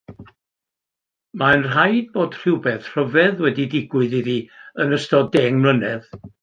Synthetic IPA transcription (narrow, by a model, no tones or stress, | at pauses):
maənr̥ajd̚boːd̥r̥ɪwbɛθr̥əvɛðwɛdidɪɡwɨðiðiənəstɔdɛŋmlənɛð